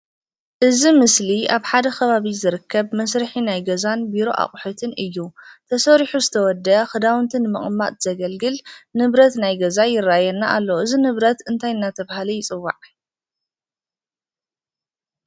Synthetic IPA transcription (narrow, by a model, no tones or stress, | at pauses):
ʔɨzimɨsliaβħad̪ɐkʰɐβaβizɨɾɨkːɐβmɐsɾɨħinajɡɐzanbiɾo̞ʔa̰χʼħut̪ʰɨnɨjːut̪ʰɐsɐɾiħuzɨt̪ʰɐwɔd̪ːɐxɨd̪awnt̪ʰɨnɨmɨ̰χʼmːa̰t̪z̥ɐɡɐlɡɨlnɨβɾɐt̪najɡɐzajɪrːajɐnːaʔalːoʔɨzinɨβɾɐt̪ɨnt̪ʰajɨnːat̪ʰɐβahalijɪt͡sʼɨwːa̰ʕ